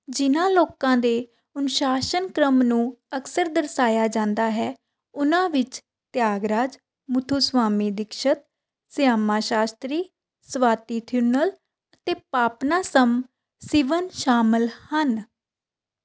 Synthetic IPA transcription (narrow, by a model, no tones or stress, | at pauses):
d͡ʒɪnãːloːkãːd̪eː | ʊnʊʃaːʃənkɾəmnũːəksəɾd̪əɾsaːjaːd͡ʒãːnd̪aːɦɛː | ʊnãːʋɪt͡ʃ | t̪jaːɡɾaːd͡ʒ | mʊt̪ʰuːsʋaːmiːd̪ɪkʃət̪̚ | sɪjaːmãːʃaːst̪ɾiː | sʋaːt̪iːt̪ʰjuːnəl | ət̪eːpaːpnaːsəm | sɪʋənʃaːməlhən